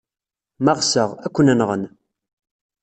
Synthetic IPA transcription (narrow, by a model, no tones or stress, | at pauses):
mɑʁsəʁækʷːənænʁən